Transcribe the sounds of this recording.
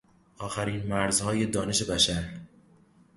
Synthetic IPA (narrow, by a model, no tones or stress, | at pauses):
ʔɒːxæɾiːnmæɾzhɒːje̞d̪ɒːneʃe̞bæʃæɾ